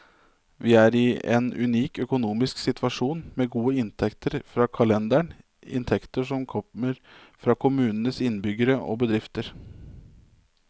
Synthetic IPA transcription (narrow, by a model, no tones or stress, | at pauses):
ʋiːæɾɪḛnʉ̰niːkœkʊnuːmɪsksɪt̪ʰʋɑʂuːnmeːɡuːəɪnt̪ʰɛkt̪ʰəɾfɾɑːkʰɑlɛnd̪æɳ | ɪ̰nt̪ʰɛkt̪əʂɔmkʰɔməɾfɾɑːkʰʊmʉːnənəsɪnbʏɡəɾəʔo̰ːbəd̪ɾɪft̪əɾ